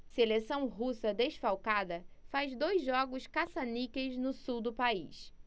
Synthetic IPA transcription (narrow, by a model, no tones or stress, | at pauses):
selesɐ̃w̃ɦusɐd̪eʃfawkad̪ɐfazd̪ojzʒːɔɡʊʃkasɐnikeznʊsuwd̪ʊpaḭs